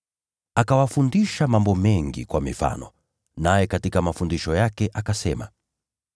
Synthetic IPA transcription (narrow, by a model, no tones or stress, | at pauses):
akawafundiʃamambɔmɛŋɡḭkwamifa̰nɔ̰ | najɛkatikamafundiʃɔjakɛʔakasɛma̰